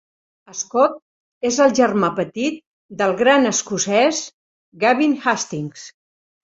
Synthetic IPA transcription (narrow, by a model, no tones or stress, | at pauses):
əskɔt̪̚ | ezəlˠʒərmapət̪it̪̚ | d̪əlˠɣɾanəskusɛz | ɡaβinxast̪iŋs